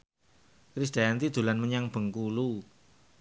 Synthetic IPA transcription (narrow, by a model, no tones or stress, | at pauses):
kɾisd̥a̤ant̪id̪̥ṳlanməɲaŋb̥ə̤ŋkulu